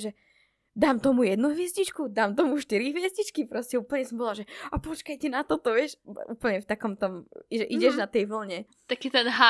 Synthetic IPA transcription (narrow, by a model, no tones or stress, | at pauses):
ʒɛ | d̪aːmt̪ɔmujɛd̪nuɦʋɪɛzɟit͡ʃkud̪aːmt̪ɔmuʃt̪iɾiɦʋɪɛzɟit͡ʃkipɾɔscɛuːpl̩ɲɛsɔmbɔlaʒɛapɔt͡ʃkajt̪ɛnat̪ɔt̪ɔʋɪɛʃʔuːpl̩ɲɛft̪akɔmt̪ɔmiʒɛʔiɟɛʒnat̪ɛjʋl̩ɲɛ | t̪akiːt̪ɛnɦa